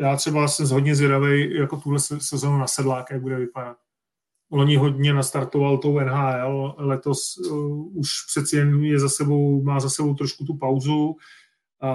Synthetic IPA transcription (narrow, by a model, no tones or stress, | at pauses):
jaːt̪r̥ɛbasɛmɦodɲɛzvjɛdavɛjjako̞t̪uɦlɛsɛsɛzo̞nunasɛdlaːjakjaɡ̚budɛvɪpadat̪̚ | loɲɪɦo̞dɲɛnast̪aɾt̪o̞valt̪owɛnɦaːɛllɛt̪o̞s | uʃpr̝̥ɛt̪sɛjɛmjɛzasɛbo̞wmaːzasɛbowt̪ɾoʃkut̪̬upawzu